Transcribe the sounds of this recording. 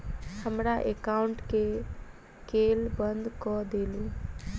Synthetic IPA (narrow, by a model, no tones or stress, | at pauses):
həmɾaʔekauɳʈke | kelbənd̪kɔd̪elu